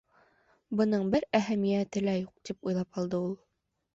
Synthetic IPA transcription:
bɤ̆nɤɴbɘɾæɦæmijæt̪ɘ̆læjuq̚t̪ipujlˠɑpɑlˠd̪ɤulˠ

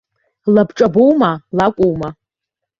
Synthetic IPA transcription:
labʈ͡ʂʼabowmalakʷʼowma

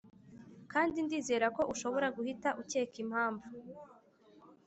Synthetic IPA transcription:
kaːndindiːze̞ːɾako̞ʔuʃo̞βo̞ɾaɡuhitaʔuce̞ːkim̥haːɱvu

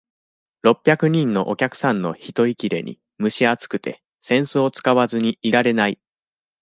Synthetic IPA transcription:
ɾo̞pʲːjakɯ̟ɲ̟ĩnːo̞̰ʔokʲakɯ̥sãnːo̞̰çit̪o̞ikʲiɾe̞̰ɲ̟ḭ | mɯ̟ɕiat͡sɨ̥kɯ̟t̪e̞̰ | sẽ̞ɰ̃soːt͡sɨ̥kaβazɨɲ̟iːɾaɾe̞nai

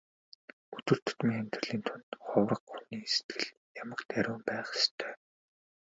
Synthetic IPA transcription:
ɵt̪ɵ̆r̥t̪ɵ̥̆t̪miŋχæmʲt̪rə̆ɮiːnt̪ʰʊnt̪χʊwrə̆qːuniːse̥t̪ɡɘ̆ɮ | jamə̆kt̪æɾʲʊːmpæːχe̥st̪ʰœ̥ː

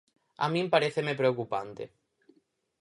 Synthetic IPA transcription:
a̰mĩmpaɾeθemepɾeokupant̪ḛ

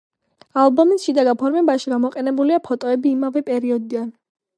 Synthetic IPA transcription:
alˠbɔmisʃid̪aɡapʰɔɾmɛbaʃiɡamɔqʼɛnɛbuliapʰɔt̪ʼɔɛbiːmavɛpʼɛɾiɔd̪id̪an

